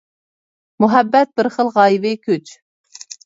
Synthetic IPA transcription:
muɦɛbːɛt̪̚bɪɾχəlˠʁɑjvɪkʲʰyt͡ʃ

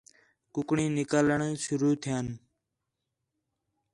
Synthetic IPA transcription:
kʊkɳĩːnɪkaːləɳsʊɾuːt̪ʰɪjaːn

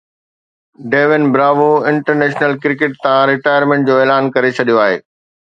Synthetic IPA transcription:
ɖeːʋɪnbɾaːʋoɪ̃ɳʈəɾneːʃnəlkɾɪkɪʈ̚t̪ãɾɪʈaːjəɾmẽɳʈ̚d͡ʑoːeːlaːnkɐɾet͡ɕʰɐɗijoaːɦḛː

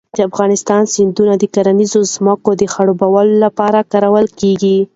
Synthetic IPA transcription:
d̪̥əafɣɑnɪst̪ɑnsɪnd̪unad̪əkaɾanizozməkod̪əxaɽobawalolapɑɾakɑɾawəlkeɡi

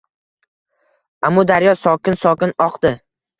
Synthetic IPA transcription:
amːɒd̪aɾjɒsɒkʲɪnsɒkʲɪnɒqd̪̥ɪ

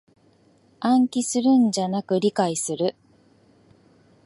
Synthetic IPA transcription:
ãŋkʲisɨɾɯ̟̃ɲd͡ʑanakɯ̟ɾʲikaisɨɾɯ̟

